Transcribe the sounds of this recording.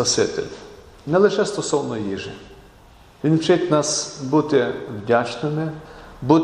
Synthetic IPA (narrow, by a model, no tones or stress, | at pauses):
pɐsɪt̪ɪ̰lʲ | nɛlˠɪʃɛst̪ɔsɔwnɔjiʒɪ | ʋʲinwt͡ʃɪtʲnɑsbut̪ɪwdʲat͡ʃnɪmɪbut̪